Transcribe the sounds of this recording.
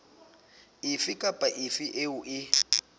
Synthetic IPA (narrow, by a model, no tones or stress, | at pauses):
ifikʼapʼaʔifiʔeuʔɪ